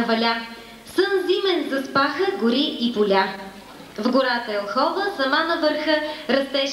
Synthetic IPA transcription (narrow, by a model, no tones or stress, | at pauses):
vɐlʲa | sənzimɛnzɐspaxəɡʊɾiipolʲa | vɡʊɾat̪əɛlˠxɔvəsɐmanɐvəɾxəɾɐst̪ɛʃ